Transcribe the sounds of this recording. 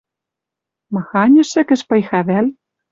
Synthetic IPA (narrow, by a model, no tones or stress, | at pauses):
mɤ̆xɑnʲɘ̆ʃɘ̆kɘ̆ʃpɤ̆jxɑβæl